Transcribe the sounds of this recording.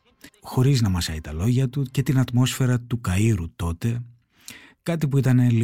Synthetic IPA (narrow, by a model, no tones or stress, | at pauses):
xo̞ɾiznɐmɐsɐit̪ɐlo̞ʝɐt̪uce̞t̪inɐt̪mo̞sfe̞ɾɐt̪ukɐiɾut̪o̞t̪e̞ | kɐt̪ipuit̪ɐne̞li